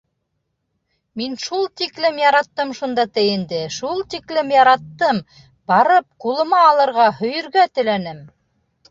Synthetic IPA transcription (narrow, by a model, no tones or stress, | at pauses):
minʃulˠt̪iklɘmjɑɾɑt̪ːɤmʃund̪ɑt̪ɘjɘ̆nd̪ɘʃulˠt̪iklɘmjɑɾɑt̪ːɤm | bɑɾɤp̚qulˠɤ̆mɑːlˠɤ̆ɾʁɑhɵ̆jɵ̆ɾɡæt̪ɘ̆lænɘm